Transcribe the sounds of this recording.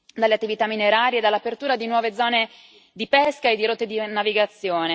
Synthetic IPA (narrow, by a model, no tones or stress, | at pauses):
d̪aleat̪ːivit̪amːineɾaːɾied̪alːapert̪uːɾad̪inwɔːved̪zɔːne | d̪ipɛskaed̪ːiɾot̪ːed̪inaviɡat̪sːjoːne